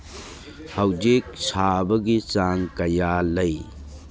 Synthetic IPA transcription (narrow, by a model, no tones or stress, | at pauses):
hɐwd͡ʒik̚sabɐɡit͡ʃaŋkɐjalɐj